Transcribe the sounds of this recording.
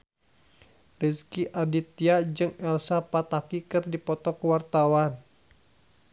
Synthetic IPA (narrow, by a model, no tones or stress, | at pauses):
riskiʔadit̪iad͡ʒɨŋɛlsapat̪akikɨrdipɔt̪ɔkuwart̪awan